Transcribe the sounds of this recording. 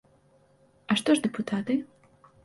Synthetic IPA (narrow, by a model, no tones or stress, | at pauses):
aʂt̪ɔʐd̪ɨput̪ʰat̪ɨ